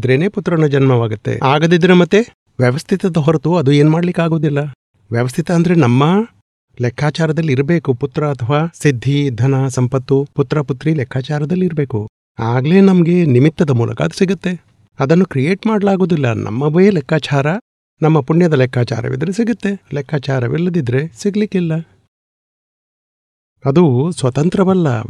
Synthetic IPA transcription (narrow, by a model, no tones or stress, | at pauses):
d̪ɾeːne̞ːput̪ːɾɐnud͡ʒɐnmɐʋaːɡut̪ːḛaːɡɐd̪id̪ɾemɐt̪ːe̞ | ʋjɛʋɐst̪ʰit̪ɐd̪ɐɦɔɾɐt̪uɐd̪ue̞ːnmaːɽɐlikaːɡo̞ːd̪ilːɐ | ʋjɛʋɐst̪ʰit̪ɐːnd̪ɐɾe̞nɐmːɐ | lɛkʰːaːt͡ʃaːɾɐd̪ɐlːiɾɐbe̞ːkuput̪ːɾɐːt̪ʰɐʋaːsid̪ʱːid̪ʱɐnɐsɐmpɐt̪ːuput̪ːɾɐput̪ɾilɛkʰːaːt͡ʃaːɾɐd̪ɐlːiɾɐbe̞ːku | aːɡle̞ːnɐmɐɡe̞nimit̪ːɐd̪ɐmuːlɐ̰kɐɐd̪u̥siɡɐt̪ːe̞ | ɐd̪ɐnːukɾijeːʈmaːɽɐlaːɡo̞ːd̪ilːɐ̰nʔɐ̰mːɐʋe̞ːlɛkʰːaːt͡ʃaːɾɐ | nɐmːɐpuɳjɐd̪ɐlɛkʰːaːt͡ʃa̰ːɾɐ̰ʋḭd̪ɐɾe̞siɡɐt̪ːe̞lɛkʰːaːt͡ʃaːɾɐʋḭlːɐd̪id̪ɾe̞siɡlikilːɐ | ɐd̪usʋɐt̪ɐnt̪ɾɐʋɐlːɐ̰